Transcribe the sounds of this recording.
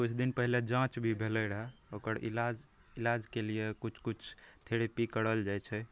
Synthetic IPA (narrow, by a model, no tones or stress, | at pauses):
kut͡ʃʰd̪inpəɦiled͡ʒãt͡ʃbʱibʱeləɾɛokəɾḭlad͡ʒ | ilad͡ʒkelijekut͡ʃʰkut͡ʃʰt̪ʰeɾepikəɽəld͡ʒajt͡ʃʰɛ